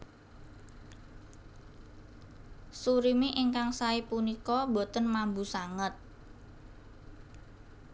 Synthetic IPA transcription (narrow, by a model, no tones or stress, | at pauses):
suɾimiʔiŋkaŋsaipunikɔbo̤t̪ənmambusaŋət̪̚